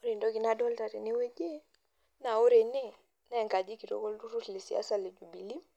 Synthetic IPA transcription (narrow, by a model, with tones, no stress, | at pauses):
o˦ɾi˨ndɔ˦ki˨na˦dɔ˦lta˨ɾe˨ni˦we˦d͡ʒe˦ | na˨o˦ɾe˨ne˦ | na˦˨ŋka˨d͡ʒi˦ki˨ɾɔ̰˨ɡɔ˦ltu˦ɾu˦tle˨si˨a̰˦sa˦˨le˨d͡ʒu˨bi˨li˦m